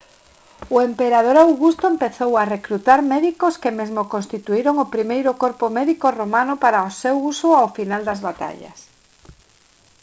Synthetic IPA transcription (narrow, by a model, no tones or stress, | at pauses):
ʊempeɾað̞oɾawɣust̪oempeθowarekɾut̪aɾmɛðikoskemezmokonst̪it̪uiɾoŋopɾimejɾʊkoɾpomɛðikoromanʊpaɾaosewusoawfinald̪azβat̪a̰ʎɐ̰s